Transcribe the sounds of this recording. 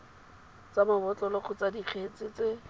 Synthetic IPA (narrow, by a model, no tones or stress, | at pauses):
t͡sabʊbɔt͡ɬɔlɔχʰʊt͡sadik͡xʰet͡sɪt͡sɪ